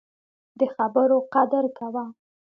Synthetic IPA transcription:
d̪əxabəɾoqad̪əɾkawa

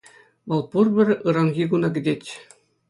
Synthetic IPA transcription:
mɑlˠpurbʲɘ̆rʲɯɾɑŋɡʲiɡunɑɡʲɘ̆d̪ʲet̪ʲ

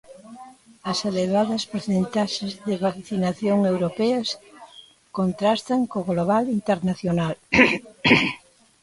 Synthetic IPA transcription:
ɐseleβaðɐspoɾθent̪aʃezðɪβakθinaθjoŋewɾopɛɐs | kont̪ɾast̪ɐŋkoɣloβ̞alint̪eɾnaθjonal

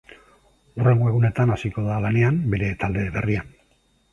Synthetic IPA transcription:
ure̞ŋɡo̞e̞ɣ̞une̞t̪anasiko̞ðalane̞ambe̞ɾe̞t̪ald̪e̞βe̞rian

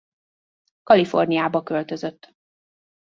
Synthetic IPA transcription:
kɒlifo̞̰rnijaːbɒkølt̪ø̞zø̞t̪ː

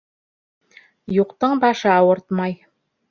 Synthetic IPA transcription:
juqt̪ɤɴbɑʃɤɑwɤɾt̪mɑj

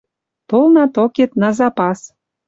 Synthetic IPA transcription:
t̪olnɑt̪oket̪nɑzɑpɑs

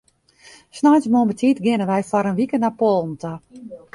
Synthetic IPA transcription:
snajsmombətitɡɪnəʋɛjfɔɾənʋikənapolˠn̩tə

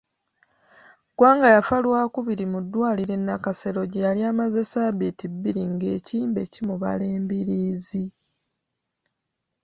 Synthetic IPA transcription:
ɡ̥waːŋɡajafalwaːkuβiɾimudːwaːliɾe̞nːakase̞ɾo̞ɟejaliaːmaze̞saβitibːiɾiŋɡe̞ːciːmbe̞cimuβa̰le̞ːmbiɾiːzi

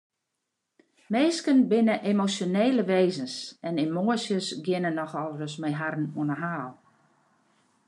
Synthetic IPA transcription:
meːskənbɪnəʔemosjoneːləʋeːzənsɛnemoəsjəsɡɪnənɔxɔlˠrəsmɛjɦarn̩uənəɦaːlˠ

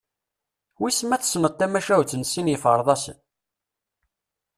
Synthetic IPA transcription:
wismæθsmət̪ːæmæʃæwt͡sːənsinjəfəɾˤðˤɑsən

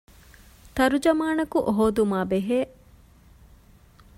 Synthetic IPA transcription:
t̪ɐɾud͡ʒɐmaːnɐkuʔoɦoːd̪umaːbeɦeː

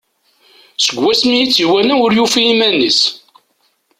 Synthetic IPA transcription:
səɡʷːæsmijit͡sːiwænæʊɾjufiimænis

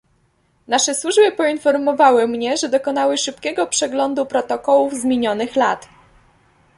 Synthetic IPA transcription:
naʂɛswuʐbɘpɔinfɔɾmɔvawɘmɲɛʐɛd̪ɔkɔn̪awɘʂɘp̚kʲɛɡɔpʂɛɡlɔnd̪upɾɔt̪ɔkɔwuvzmʲjeɲɔnɘxlat̪

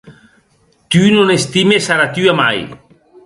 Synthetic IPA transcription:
t̪ynonest̪imesaɾat̪yama̰j

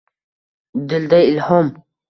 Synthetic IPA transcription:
d̪ɪld̪aɪlhɔm

